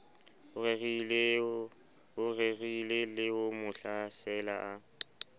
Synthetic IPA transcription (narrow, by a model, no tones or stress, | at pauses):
ʊeɣil | ʊrerilɪlɪʊmʊɬasɛla̰ʔa